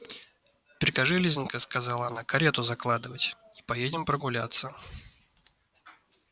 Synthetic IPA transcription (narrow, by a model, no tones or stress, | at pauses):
pʲɪɾʲɪkɐʐɨlʲizʲnʲkəskɐzalˠəɐnakɐɾʲet̪ʊzɐklˠad̪ɨvətʲ | i̥pɐjedʲɪmpɾəɡʊlʲat̪sːə